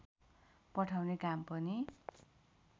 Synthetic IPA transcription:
pʌʈʰawnekampʌni

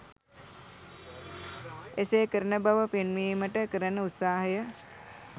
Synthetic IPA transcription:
eseːkəɾənəbaʋəpenmiːməʈəkəɾənəut̪saːɦəjə

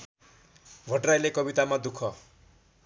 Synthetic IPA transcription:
bʱʌʈrajlekʌbit̪amad̪ukʰʌ

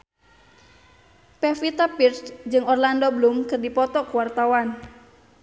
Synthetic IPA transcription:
pɛfit̪apirsd͡ʒɨŋɔrlandɔblumkɨrdipɔt̪ɔkuwart̪awan

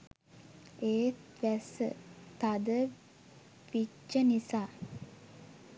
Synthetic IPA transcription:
eːtʋæsə̰t̪ad̪ə | ʋit͡ʃːənisaː

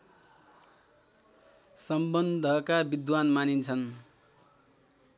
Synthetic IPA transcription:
sʌmbʌnd̪ʱʌkabid̪wanmanint͡sʰʌn

